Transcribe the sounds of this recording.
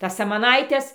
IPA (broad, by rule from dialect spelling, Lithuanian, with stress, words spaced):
ˈtɐs sɐmɐˈnɐɪtʲɛs